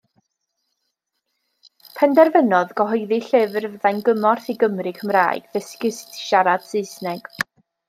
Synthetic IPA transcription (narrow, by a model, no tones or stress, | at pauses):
pʰɛndɛrvənɔðɡ̥ɔɦɔɨðiɬɪvrvðajnɡəmɔrθiɡəmrikʰəmra̰ːjɡ̥ðəskɪstʃaɾad̥sɨɨsnɛɡ̥